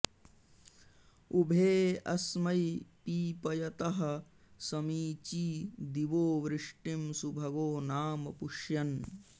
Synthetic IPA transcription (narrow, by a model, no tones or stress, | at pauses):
ubʱeːɐsmɐjpiːpɐjɐt̪ɐɦɐ̆ | sɐmiːt͡ʃiːd̪iʋoːʋɾɪʂʈimsubʱɐɡoːnaːmɐpuʂjɐn